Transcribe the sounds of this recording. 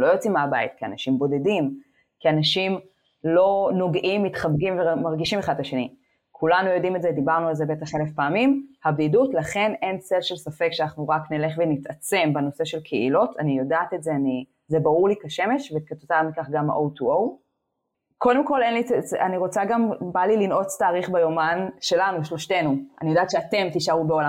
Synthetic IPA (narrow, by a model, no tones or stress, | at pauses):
lo̞jot͡simaabait̚kia̰naʃimbo̞de̞dim | kianaʃim | lo̞no̞ɡʔimːitχabɡimvemaʁɡiʃimeχadlaʃe̞ni | kʰulanujo̞dimetzed̪ibaʁnualzebe̞taχelefpaːmimhabdidutlaχe̞ne̞nselʃe̞lsafe̞kʃeanaχnuʁaknele̞χvenitat͡se̞mbeno̞se̞ʃelkʰeḭlo̞tʰanijo̞daːt̪etzeani | zebaʁuʁlikaʃeme̞ʃvet̚kat̪otamikaχɡama̰ʔowtuow | ko̞de̞mko̞le̞nlianiʁo̞t͡saɡambalilinʔo̞t͡staːʁiχbajo̞manʃe̞lanuʃlo̞ʃte̞nua̰nijodaːt̪ʃeate̞mt̪iʃaubeo̞la